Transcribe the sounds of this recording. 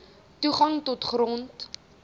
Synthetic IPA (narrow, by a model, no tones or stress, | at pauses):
tuχɐŋtotχrɔnt